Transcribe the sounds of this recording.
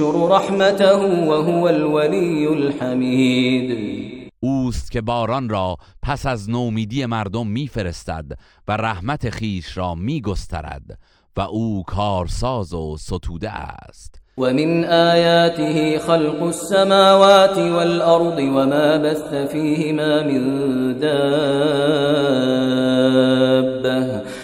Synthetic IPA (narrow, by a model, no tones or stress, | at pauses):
ʊɾɾˤɑħmat̪ahʊwaɦʊwalwalijːʊlħamiːd̪ʔuːst̪cʲʰe̞bɒːɾɒnrɒːpʰæsæznoːmiːd̪ije̞mæɾd̪omːiːfe̞ɾe̞st̪æ̰d̪ | væræhmæt̪ʰe̞χiːʃɾɒːmiːɡo̞st̪ʰæ̰ɾæ̰d̪ | væʔuːkʰɒːɾsɑːzosot̪ʰuːd̪ḛʔæ̰st̪wamɪnʔaːjaːt̪ɪhiːxɑlqʊsːamaːwaːt̪ɪwalʔɑɾˤd̪ˤɨwamaːbaθːafiːhɪmaːmɪnd̪aː | bːah